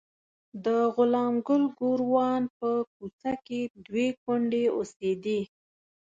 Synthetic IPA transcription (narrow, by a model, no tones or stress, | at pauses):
d̪əɣʊlɑmɡʊlɡoɾwɑnpək̚ut͡saked̪wekʊɳɖeosed̪i